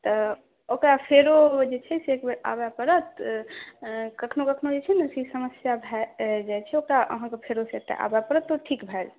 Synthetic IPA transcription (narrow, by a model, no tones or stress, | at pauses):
t̪ə | okɾapʰeɾod͡ʒet͡ʃʰɛseekbeɾa̰bɛpəɾət̪ | kəkʰnokəkʰnod͡ʒet͡ʃʰɛnəsisəməsjabʱɛd͡ʒajt͡ʃʰɛokɾaʔə̰ɦãkepʰeɾoset̪ḛʔa̰bɛpəɾət̪ːoʈʰikbʱɛl